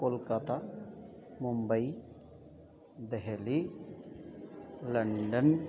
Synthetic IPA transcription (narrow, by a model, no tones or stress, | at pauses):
koːlkɐt̪a | mumbɐj | d̪eɦeli | lɐɳɖɐn